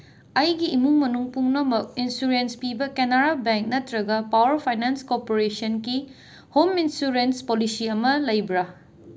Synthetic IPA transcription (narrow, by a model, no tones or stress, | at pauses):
ɐjɡiːmuŋmɐnuŋpuŋnɐmɐk̚insuɾenspibɐkenaɾabeŋk̚nɐtɾɐɡɐpawɐɾpʰajnanskoɾpoɾesɐnki | hominsuɾenspolisiɐmɐlɐjbɾa